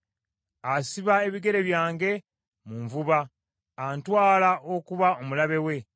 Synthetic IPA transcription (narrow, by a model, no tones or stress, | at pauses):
asiβae̞βiɡe̞ɾe̞βjaːŋɡe̞ | muɱvuβaː | ntwaːlaʔokuβaomulaβe̞we̞